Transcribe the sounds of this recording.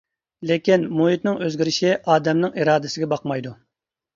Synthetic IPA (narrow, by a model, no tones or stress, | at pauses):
lɪkʲinmuɦit̪nɪŋøzɡʲiɾɪʃiʔɑːd̪ɛmnɪŋiɾɑːd̪ɪsɪɡʲɛbɑqmɑjd̪u